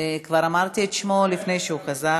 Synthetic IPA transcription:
kvaʁamaʁt̪ietʃmolifne̞jʃehuχaza

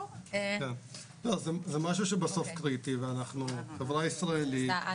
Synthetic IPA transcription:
ken | tozezemaʃ̬uʃebaso̞fkʁit̪iveanaχnuχevʁaisʁaeli

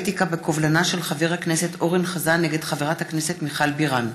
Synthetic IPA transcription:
t̪ikabe̞kovlanaʃe̞lχaveʁhakneset̪o̞ʁinχazaneɡed̪χaveʁathakne̞setmiχalbiʁan

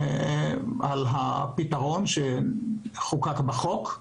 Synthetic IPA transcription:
alɦapitaʁo̞nʃe | χukakbaχok

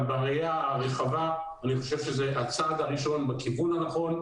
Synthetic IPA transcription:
baʁejaʁeχava | aniχo̞ʃe̞vʃezeat͡sad̪aʁiʃo̞nbakivunhanaχo̞n

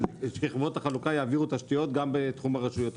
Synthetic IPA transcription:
ʃkiχvo̞t̪aχalukajaːviʁut̪aʃtijo̞t̪ɡambet̪χumaʁaʃujo̞t

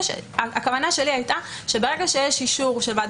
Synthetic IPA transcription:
ʃḛakavanaʃe̞liajtaʃe̞beʁeɡaʃejeʃiʃuʁʃelvad

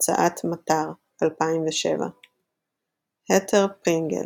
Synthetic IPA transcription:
t͡sa̰ʔatmataʁ | alpaimveʃḛva̰ | hetʰeʁpʁiŋɡḛ

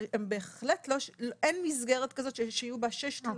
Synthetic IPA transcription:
embeeχletloʃlʔenmizɡeʁet̪kazo̞t̪ʃeʃeijubaʃeʃt̪

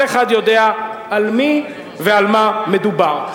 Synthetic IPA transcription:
eχad̪jod̪eaalmi | vealmamed̪ubaʁ

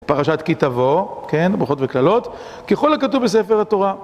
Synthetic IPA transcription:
paʁaʃat̪kit̪avokenbʁuχo̞tveklalo̞t̪ | keχolakatuvbes̬efeʁat̪o̞ʁa

